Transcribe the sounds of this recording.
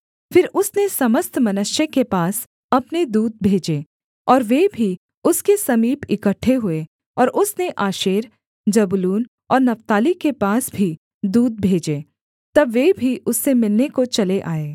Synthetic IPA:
fɪɾʊsnesɐməst̪mɐnʊʃjəkepaːs | ɐpned̪uːd̪̚bʱeːd͡ʒeː | ɔːɾʋebʱi | ʊskesɐmiːpɪkəʈʰːeɦʊe | ɔːɾʔʊsneʔaːʃeːɾ | d͡ʒɐbʊluːn | ɔːɾnɐft̪aːlikepaːsbʱi | d̪uːd̪̚bʱeːd͡ʒeː | t̪ɐbʋebʱiʔʊsːemɪlnekot͡ʃɐleʔaːeː

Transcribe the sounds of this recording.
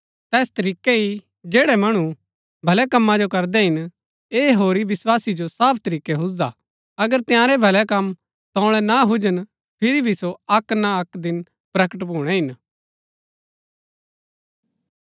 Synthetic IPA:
t̪ɛːst̪ɐɾiːkei | d͡ʒeːɽɛmɐɽ̃u | bʱɐlɛkɐmːãd͡ʒokɐɾd̪ɛɦɪn | eːɦoːɾiʋɪswaːsid͡ʒosaːpʰt̪ɐɾiːkɛɦʊsa | ɐɡəɾt̪ɪjãːɾɛbʱɐlɛkɐm | t̪ɔ̃ːɭ̃ɛnaɦʊd͡ʒən | pʰɪɾibʱisoɐknaɐkd̪ɪn | pɾɐkəʈbuːɽ̃ɛɦɪn

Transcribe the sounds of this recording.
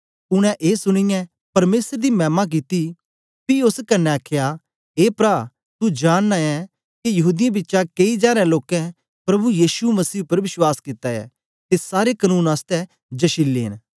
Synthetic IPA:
ʊɽ̃ɛ̃ʔeːsʊɽ̃ɪjɛ̃ | pɐɾmeːsəɾd̪imɛ̃ːmak̬it̪i | piʊskɐnːɛɐkʰja | eːpɾaː | t̪ud͡ʒaːɽ̃ːaɛ | kijɐɦuːd̪ɪjãbɪtːʃakɐid͡ʒaːɾɛ̃loːkɛ̃ | pɾɐbujiːsumɐsiːʊpːəɾʋɪswaːskɪt̪ːaɛ̰ː | t̪esaːɾekɐnũːnaːst̪ɛ | d͡ʒɐʃɪlːḛːɪn

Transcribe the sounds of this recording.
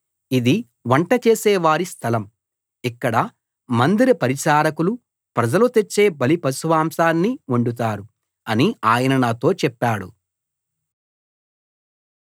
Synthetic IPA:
id̪i | ʋɐɳʈɐt͡ʃeːsɛːʋaːɾist̪ʰɐlɐm | ikːɐɽɐ | mɐnd̪iɾɐpɐɾiʃaːɾɐkulu | pɾɐd͡ʒɐlut̪et͡ʃːe̞ːbɐlipɐsuʋaːmsaːnːiuɳɖut̪̬aːɾu | ɐniaːjɐnɐnaːt̪o̞ːt͡ʃɛpːaːɽṵ

